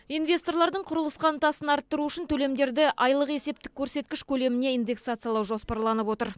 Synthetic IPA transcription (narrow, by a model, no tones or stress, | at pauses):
ijnvʲe̞st̪o̞rlˠɑɾd̪əɴqʰʊɾəlˠəsqɑnt̪ɑsənɑɾt̪ːəɾuʏʃɪnt̪ʰɵle̞md̪e̞ɾd̪ɪʔɑjlˠəqe̞se̞p̚t̪ɪkʲʰːɵɾse̞t̪̚kʲɪʃkʲʰɵle̞mɪne̞ijnd̪e̞ksat̪sɨjalˠɑwʒo̞spɑɾlˠɑnəpwo̞t̪əɾ